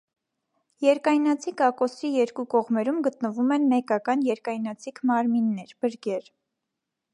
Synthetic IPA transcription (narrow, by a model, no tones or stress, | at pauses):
jɛɾkɑjnɑt͡sʰikɑkɔsijɛɾkukɔʁmɛɾumɡət̪nəvumɛnmɛkɑkɑnjɛɾkɑjnɑt͡sʰikʰmɑɾminːɛɾb̥əɾɡɛɾ